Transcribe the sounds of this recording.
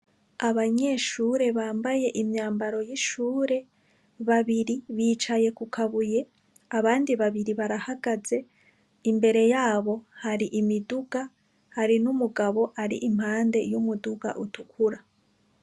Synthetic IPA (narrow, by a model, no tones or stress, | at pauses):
aβaɲe̞ːʃuːɾe̞βaːmbaje̞ʔimɲaːmbaɾo̞jiʃuːɾe̞ | βaβiɾiβiːt͡ʃaje̞kukʰaβuje̞ | aβaːndiβaβiɾiβaɾahaɡ̥aze̞ | imbe̞ɾe̞jaːβo̞haɾiʔimiduɡ̥a | haɾinumuɡaβo̞ʔaɾḭʔimhaːnde̞̰jumuduɡa̰ʔutukʰuɾa